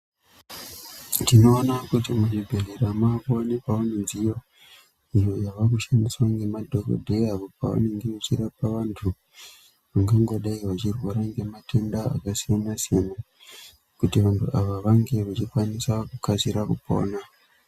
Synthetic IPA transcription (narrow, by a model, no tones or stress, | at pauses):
tino̞ːnakutimunibʱeleɾamakuonepaonenzijo̞ | ijo̞jaʋakuʃandiswaŋɡe̞madʱoko̰dʱeapo̞pa̰wa̰ne̞ŋɡemat͡ʃiɾapaʋantʰu | ʋaŋɡaŋɡoɗaiʋat͡ʃirwaɾaŋɡe̞mate̞ndaa̰kasijanasijana | kutiʋantuʔaʋaʋaŋɡe̞ʋat͡ʃikwanisakukasiɾakupo̞̰ːna